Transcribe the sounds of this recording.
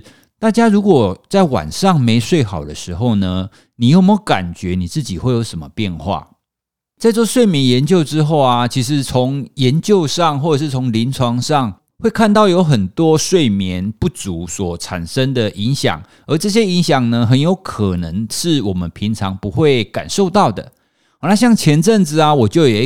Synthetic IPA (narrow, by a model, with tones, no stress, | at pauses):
t̪a˥˩t͡ɕja˥ɻu˧˥kwɔ˨˩t͡sa˥˩ɪwa̰˨˩nʂɑ˥˨ŋme˧˥ɪʂwe˥˩ɪxɑ˨˩ʊd̪ə˩˦ʂɻ̩˧˥xo˥˩ʊnə˩ | ni˨˩jo˥˩ʊme˥˧˩ka̰˨˩nt͡ɕɥɛ˧˥ni˨˩t͡sɹ̩˥˩t͡ɕi˨˩xwe˥ɪjo˧˥ʊʂə˧˩mə˧pjɛ˥˧nxwa̰˥˩ | t͡sa˥˧ɪt͡swɔ˥˧ʂwe˥˩ɪmjɛ˧˥njɛ˧˦˥nt͡ɕjo˥˧ʊʈ͡ʂɻ̩˥xo˥˩ʊa˩t͡ɕʰi˧˥ʂ̬ɻ̩˧˦t͡sʰo˧˦ŋjɛ˧˦nt͡ɕjo˥˧ʊʂɑ˥˧ŋxwɔ˥˩ʈ͡ʂʂ̬̩˥˩t͡sʰo˧˥ŋli˧˥nt͡sʰwɑ˧˥ŋʂɑ˥˧ŋ | xwe˥˧ɪkʰa˥˧nt̪ɑ˥˩ʊjo˧˦˥ʊxə˨˩nt̪wɔ˥ʂwe˥˩ɪmjɛ˧˦npu˥˩t͡su˨˦swɔ˨˩t͡sʰa̰˨˩nʂə˦ŋd̪ə˨ʔi˧˦˥ŋɕjɑ̰˨˩ŋ | ə˞˧˥ʈ͡ʂɤ˥˩ɕ̬jɛ˦˥i˧˦˥ŋɕjɑ˨˩ŋnə˨ɦə˧˦njo˧˥ʊkʰə˨˩nə˧˦ŋʂɻ̩˥˩wɔ˨˩mə˦npʰi˧˥ŋt͡sʰɑ˧˥ŋpu˧˦xwe˥˩ɪka̰˨˩nʂo˥˧ʊt̪ɑ˥˨˩ʊd̪ə̰˩˨ | na˥˧ɕjɑ˥˩ŋt͡ɕʰjɛ˧˥nʈ͡ʂə˥˨ŋt͡sɹ̩˨a˨wɔ˨˩t͡ɕjo˥˩ʊjɛ˨˩